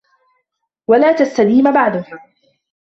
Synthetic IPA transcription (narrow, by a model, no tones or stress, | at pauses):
walaːt̪ast̪ad̪iːmbaʕd̪ʊhaː